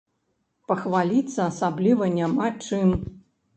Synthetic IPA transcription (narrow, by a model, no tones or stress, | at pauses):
pɐxvalʲit̪sːɐːsablʲivɐnʲamat͡ʂɨm